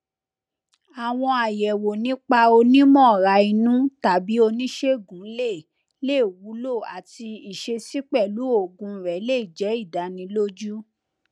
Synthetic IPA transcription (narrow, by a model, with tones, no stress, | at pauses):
a˨w̃ɔ̃˧a˨jɛ˨wo˨nĩ˨˦k͡pa˧o˧nĩ˦mɔ̃˦˨ɾa˧i˧nũ˦ta˨bi˨˦o˧nĩ˦ʃe˦˨ɡũ˨˦le˦˨ | le˦˨wu˨˦lo˦˨a˨ti˧i˨ʃe˧si˦k͡pɛ˦˨lu˨˦o˦˨ɡũ˨˧˦ɾɛ˨˦le˦i˦˨d͡ʒɛ˨˦i˦˨da˨nĩ˧lo˦d͡ʒu˦